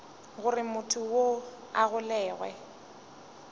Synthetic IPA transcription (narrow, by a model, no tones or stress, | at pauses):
ɣʊrɪmʊtʰʊwo | aɣʊlɛːɣwɛ̰